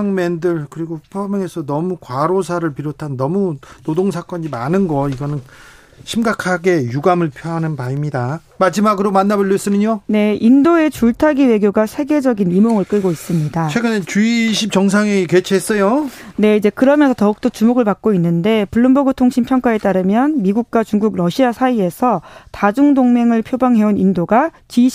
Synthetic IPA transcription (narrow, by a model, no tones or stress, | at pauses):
aŋmendɯɭkɯɾiɡopʰʌmjʌŋe̞sʰʌnʌmukwaɾosʰaɾɯɭpiɾotʰanːʌmunodoŋsʰak͈ʌɲimanɯnɡʌiɡʌnɯn | ɕʰimɡakʰaɡe̞juɡamɯɭpʰjoɦanɯnpaimɲida | mad͡ʑimaɡɯɾomanːaboʎːjʌis͈ɯnɯɲone̞indoe̞t͡ɕuɭtʰaɡiwe̞ɡjoɡasʰe̞ɡe̞d͡ʑʌɡinimoŋɯɭk͈ɯɭɡois͈ɯmɲidat͡ɕʰweɡɯnet͡ɕuiɕʰip̚t͡ɕʌŋs̬ʰaŋiket͡ɕʰiɦes͈ʌjone̞id͡ʑe̞kɯɾʌmjʌnsʰʌtʌuk̚t͈ʌt͡ɕumoɡɯɭpak̚k͈oinːɯnde̞puɭːɯmboɡɯtʰoŋɕʰimpʰjʌŋk͈ae̞t͈aɾɯmjʌnmiɡuk̚k͈wat͡ɕuŋɡuɡɾʌɕʰiasʰaie̞sʰʌtad͡ʑuŋdoŋme̞ŋɯɭpʰjobaŋɦe̞unindoɡat͡ɕi